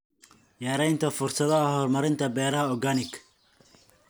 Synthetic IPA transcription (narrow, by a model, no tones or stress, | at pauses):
jɛːɾɛjnt̪ʰɐfʊrsɐðɐɐhɔrmɐɾɪnt̪ʰɐbɛːɾɐɦɐɔɡanɪkʰ